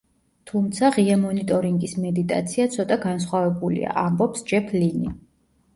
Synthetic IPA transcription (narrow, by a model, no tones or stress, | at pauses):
t̪ʰumt̪sʰaʁiamɔnit̪ʼɔɾiŋɡismɛd̪it̪ʼa̰t̪sʰiat̪sʰɔt̪ʼaɡans̬χwavɛbulḭa̰ʔambɔpsd͡ʒɛpʰlinḭ